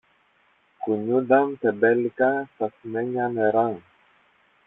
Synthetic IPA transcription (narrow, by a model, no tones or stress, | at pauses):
kuɲud̪amt̪ɛbɛlkasasmɛɲanɛɾaŋ